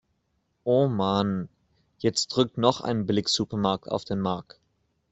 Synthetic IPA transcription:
ʔoːman | jɛt͡st̚d̥ʁʏk̚tnɔχʔa̰ɪnəblɪksupəmaɐk̚ta̰ʊfd̥eːnmaɐk̚t

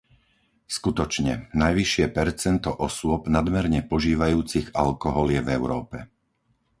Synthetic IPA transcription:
skut̪ɔt͡ʃɲɛ̰najʋiʃɪɛpɛɾt͡sɛnt̪ɔʔɔsʊɔbnad̪mɛɾɲɛpɔʒiːʋajuːt͡siɣa̰lkɔɦɔljɛvɛʊɾɔːpɛ

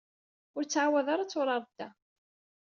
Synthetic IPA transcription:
ʊɾt͡sːʕawæðaɾat͡sːʊɾˤɑɾˤd̪ːæ

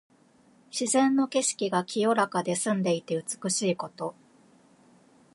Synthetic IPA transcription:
ɕizẽ̞nːo̞ke̞ɕi̥kʲiɡakʲʰijo̞ɾakad̪e̞sɨ̃nd̪e̞it̪e̞ɯ̟t͡sɨ̥kɯ̟ɕiːko̞t̪o̞

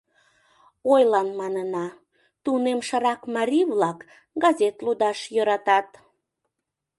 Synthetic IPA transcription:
ojlɑnmɑnənɑ | t̪unemʃəɾɑkmɑɾʲiβlɑk | ɡɑzʲet̪lud̪ɑʃjøɾɑt̪ɑt̪

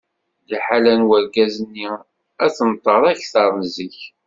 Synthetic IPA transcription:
liħalænwəɾɡæzənːi | æθənt̪ˤːəðˤæçθɑɾˤnzəç

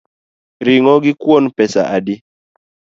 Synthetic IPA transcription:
ɾiŋɔɡikwonpɛsa̰ʔadi

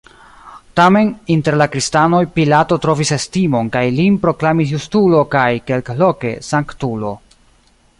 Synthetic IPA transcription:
tame̞ninte̞ɾlakɾistano̞jpilato̞tɾo̞vise̞stimo̞nkajlinpɾo̞klamis̬justulo̞kajke̞lklo̞ke̞̰saŋktulo̞

